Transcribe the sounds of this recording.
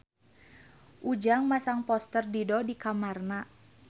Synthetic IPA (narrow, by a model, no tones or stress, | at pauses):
ʔud͡ʒaŋmasaŋpɔst̪ərdidɔdikamarna